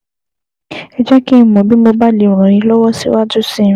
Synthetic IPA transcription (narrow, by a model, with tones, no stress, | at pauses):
ɛ˨d͡ʒɛ˦ki˦mɔ̃˨bi˦mo˧ba˦li˨ɾ̃ɔ̃˨ɾ̃ĩ˧lɔ˦wɔ˦sḭ˦wa˦du˦sĩ˦